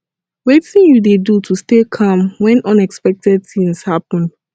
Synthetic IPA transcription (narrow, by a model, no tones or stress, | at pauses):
wɛθĩŋjudedutʰustekʰãmwɛ̃nʔɔ̃nɛkspɛk̚tɛd̚θĩŋshapɔ̃n